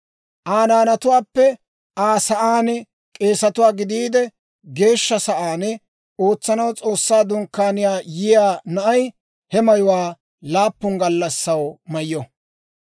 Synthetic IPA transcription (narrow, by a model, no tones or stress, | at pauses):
ʔaːnaːnɐt̪ʊwaːpːɛ | ʔaːsɐʔaːn | kʼe̞ːsɐt̪ʊwaːɡɪd̪iːd̪ɛ | ɡe̞ːʃːɐsɐʔaːn | oːt͡sːɐnɐwt͡sʼo̞ːsːaːd̪ʊŋkːaːnɪjaːjɪjaːnɐʔɐj | hɛmɐjʊwaː | laːpːʊŋɡɐlːɐsːɐwmɐjːɔ